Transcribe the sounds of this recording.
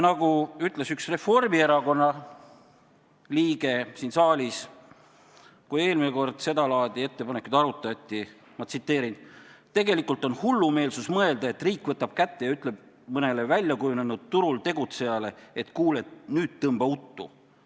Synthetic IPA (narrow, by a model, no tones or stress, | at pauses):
nɑɡuyt̪ˑle̞syksre̞fo̞rmieɾɑko̞nːɑ | liːɡe̞siːnsɑːlʲis | kuje̞ːlmineko̞rd̪̥se̞d̪ɑlɑːd̪̥ʲie̞t̪ːe̞pɑne̞kˑut̪ɑɾut̪ːˑɑt̪ʲːˑi | mɑt̪sit̪ːˑe̞ːɾint̪e̞ɡe̞likult̪ˑo̞nhulːume̞ːlsusmɤe̞ld̪ɑe̞t̪riːkˑvɤt̪ːɑb̥̚kæt̪ːe̞jɑyt̪ˑle̞b̥̚ | mɤne̞le̞vælʲjɑkujune̞nud̪̥̚t̪uɾult̪e̞ɡut̪se̞jɑle̞et̪kuːlet̪nyːd̪̥t̪ɤmbɑut̪ːṵ